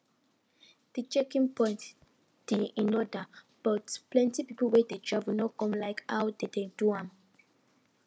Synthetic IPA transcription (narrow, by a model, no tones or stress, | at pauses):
d̥it͡ʃɛkĩŋpɔ̃ɪ̃nt | d̥iĩnɔdə | b̥ɔtplɛ̃ntipipolwɛdedɹavunɔkɔ̃mlaɪkha̰wdededuãm